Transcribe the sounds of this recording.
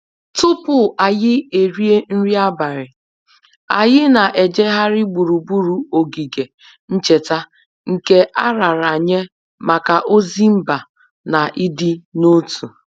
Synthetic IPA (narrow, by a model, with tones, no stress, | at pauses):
tʊ˦pʊ˨a˨jɪ˦e˨ɾi˦e˦n̩˦ɾi˦a˦ba˨ɾɪ˨ | a˨jɪ˦na˨ʔe˨d͡ʒe˦ɦa˦ɾɪ˦ɡ͡bu˨ɾu˨bu˦ɾu˨o˨ɡi˨ɡe˨ | n̩˦t͡ʃe˨ta˦ | ŋ̩˨ke˦ʔa˦ɾa˨ɾa˨ɲe˦ | ma˨ka˨ʔo˦zi˦m̩˦ba˨ | na˨ʔɪ˦dɪ˦no˦tʰu˨